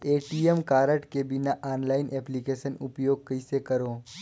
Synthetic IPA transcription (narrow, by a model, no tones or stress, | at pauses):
eːʈiːemkaːɾəʈkebɪnaʔaːnlaːɪnʔɛːplikeːʃənʊ̰pjoːɡ̚kəisekɐɾoː